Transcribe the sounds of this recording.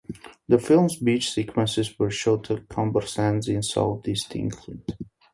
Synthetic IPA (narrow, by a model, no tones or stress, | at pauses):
ðəfɪlˠmzbit͡ʃsikʰwə̃nsɪzwə˞ʃoʊtʰəkʰɔ̃mbəɹsɛ̃nzɪ̃nsa̰lfdɪstʰɪ̰̃ŋkʰlit